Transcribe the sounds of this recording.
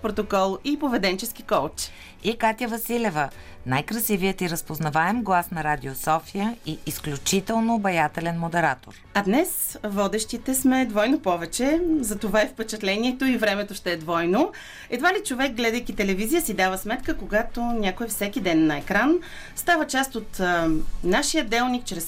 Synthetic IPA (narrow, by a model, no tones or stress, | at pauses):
pɾot̪okɔlˠipovɛd̪ɛnt͡ʃɛsk̟ikɔlt͡ʃ | ikat̪ʲjəvɐsilʲɛvə | najkɾɐsiviət̪iɾəspoznɐvaɛmɡlˠasnɐɾad̪ʲiosɔfijəiːsklʲut͡ʃit̪ɛlˠnobɐjat̪ɛlɛnmod̪ɛɾat̪o̰ɾ | ɐd̪nɛs | vɔd̪ɛʃt̪it̪ɛsmɛd̪vɔjnopɔvɛt͡ʃɛzɐt̪ovaɛfpɛt͡ʃɛt̪lɛniɛt̪oivɾɛmɛt̪oʃt̪ɛːd̪vɔjno | ɛd̪valit͡ʃovɛk̚ɡlɛd̪əjkit̪ɛlɛvizijəsid̪avəsmɛt̪kəkoɡat̪onʲakoɛfsɛkʲid̪ɛnːɐɛkɾan | st̪avət͡ʃast̪ot̪ | naʃijəd̪ɛlˠnik̚t͡ʃɾɛs